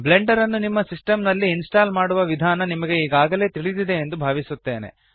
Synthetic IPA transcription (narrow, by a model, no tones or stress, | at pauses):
ble̞ɳɖɐɾɐnːunimːɐsisʈɐmnɐlːiːnsʈaːlmaːɽuʋɐʋid̪ʱaːnɐnimɐɡe̞iːɡaːɡɐle̞ːt̪iɭid̪id̪e̞ːnd̪ubʱaːʋisut̪ːe̞ːne̞̰